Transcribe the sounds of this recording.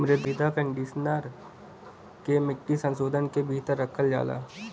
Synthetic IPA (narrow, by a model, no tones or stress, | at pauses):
mɾed̪id̪apɛ̃ɳɖiːsnəɾ | kemɪkʈisə̃nsoːd̪ʱənkebʱiːt̪əɾːəkʰəld͡ʒa̰ːla̰ː